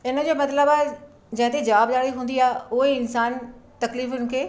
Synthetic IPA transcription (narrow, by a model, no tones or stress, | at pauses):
ɪnə̆d͡ʑoːmɐt̪ləbaːe | d͡ʑɐ̃ɦɪ̃t̪ed͡ʑɐʋaːb̚daːɽiɦũːnd̪iaːɦeʊɦeɪnsaːnt̪ɐkliːfʊnɪ̆kʰeː